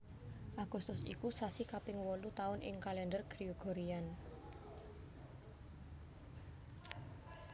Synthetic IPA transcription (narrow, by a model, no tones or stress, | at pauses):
ʔaɡ̥ust̪ʊsḭkusasikapɪŋwɔlut̪aʊnʔɪ̰ŋkalɛndərɡ̥ɾiuɡ̥o̤ɾian